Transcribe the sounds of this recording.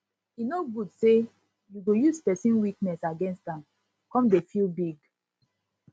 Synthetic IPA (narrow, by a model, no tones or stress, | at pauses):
inoɡudse | juɡojuzpɛsĩnwiknɛsaɡɛ̃nstãm | kɔ̃mdefilbiɡ